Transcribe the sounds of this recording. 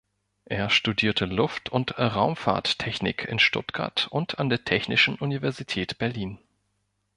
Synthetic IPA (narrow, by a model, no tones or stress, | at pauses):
ʔeːɐʃtudiːɐtʰəlʊftʰʊntʁaʊmfa̰ːɐtʰːɛçnɪ̰kʰɪ̰nʃtʊ̰tɡ̥a̰ɐtʔʊntʰandeːɐtʰɛçnɪʃn̩ʔunivɛɐzitʰɛːtb̥ɛɐliːn